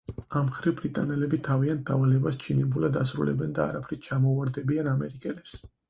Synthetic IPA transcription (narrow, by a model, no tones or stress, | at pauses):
amχɾivbɾit̪ʼanɛlɛbit̪ʰaviant̪̚d̪avalɛbast͡ʃʰinɛbulad̪as̬ɾṵlɛ̰bɛnd̪a̰ːɾapʰɾit͡ʃʰamɔvaɾd̪ɛbianamɛɾikʼɛlɛps